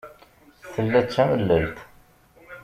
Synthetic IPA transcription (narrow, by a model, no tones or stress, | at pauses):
θəlːæt͡ʃːæməlːəlt̪